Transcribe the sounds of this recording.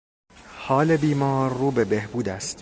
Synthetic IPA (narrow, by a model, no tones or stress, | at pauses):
hɒːle̞biːmɒːɾːuːbe̞behbuːd̪æst̪